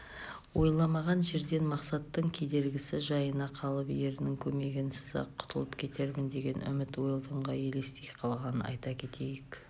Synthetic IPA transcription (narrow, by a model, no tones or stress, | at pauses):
wo̞jlˠɑmɑʁɑnʒe̞ɾd̪e̞nmɑqsɑt̪ːəɴkʲʰe̞d̪e̞ɾɡʲɪsɪʒɑjənɑqʰɑlˠəpje̞ɾɪnɪŋkʲʰɵme̞ɡʲɪnsəzɑ̰qʰːʊ̥t̪ʰəlˠəpkʲʰe̞t̪ʰe̞ɾmɪnd̪e̞ɡʲe̞nʏ̰mɪt̪wo̞jəlˠd̪əɴʁɑje̞le̞st̪ejqʰɑlˠʁɑnənɑ̰jt̪ɑkʲʰe̞t̪ʰe̞jɪk